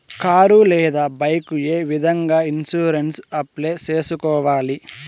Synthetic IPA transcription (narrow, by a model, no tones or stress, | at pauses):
kaːɾulɛːd̪aːbɐjkueːʋid̪ʱɐŋɡaːinsuːɾensɐpleːt͡ʃe̞ːsukɔːʋaːli